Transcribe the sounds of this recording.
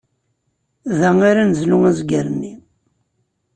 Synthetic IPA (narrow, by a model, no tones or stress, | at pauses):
ðæŋaɾanəzluŋæzɡəɾənːi